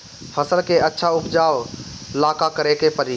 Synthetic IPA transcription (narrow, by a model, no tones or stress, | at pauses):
fʰɐsəlkeɐtːʃʰaʊpd͡ʒaːʋlaːkakɐɾekʰepɐɾiː